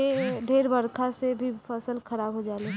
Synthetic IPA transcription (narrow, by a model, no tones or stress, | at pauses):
eɖʱeːɾbəɾkʰasebʱipʰəsəlkʰəɾaːbɦod͡ʒaːle